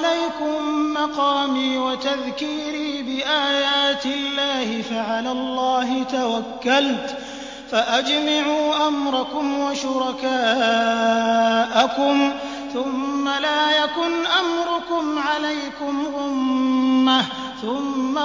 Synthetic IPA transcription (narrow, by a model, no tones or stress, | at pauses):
lajkʊmːɑqɑːmiːwat̪aðkiːɾiːbɪʔaːjaːt̪ɪlːaːhɪfaʕalaːlˤːɑːɦɪt̪awakːalt̪ | faʔad͡ʒmaʕuːʔamɾˤɑkʊmwaʃʊɾˤɑkaː | ʔakʊm | θʊmːalaːjakʊnʔamɾʊkʊmʕalajkʊmʔʊmː | a | θʊmːa